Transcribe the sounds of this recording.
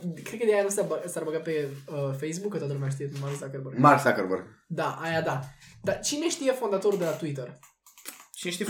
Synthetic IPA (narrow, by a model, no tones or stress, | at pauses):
kɾekəd̪ejanusabəsaɾbəɡat̪peəfejs̬bukːət̪wat̪əlumeaʃt̪iet̪marksakəɾbərmaɾksakəɾbərɡd̪aʔajad̪ad̪at͡ʃine̞ʃt̪ijefo̞nd̪at̪o̞ɾuld̪elat̪uit̪̬ər | t͡ʃineʃt̪i